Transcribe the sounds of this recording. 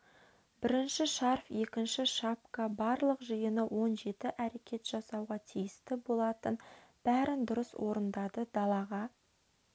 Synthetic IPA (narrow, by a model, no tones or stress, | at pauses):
bɪɾɪnʃɪʃɑɾfje̞kʲɪnʃɪʃapkɑbɑɾlˠəqʒəjənəwo̞nʒe̞t̪ɪʔæɾe̞kʲʰe̞t̪ʒ̥ɑsɑwʁɑt̪ʰijɪst̪ɪbo̞lˠɑt̪ənb̥æɾɪnd̪ʊɾəswʔo̞ɾənd̪ɑd̪əd̪ɑlˠɑʁɑ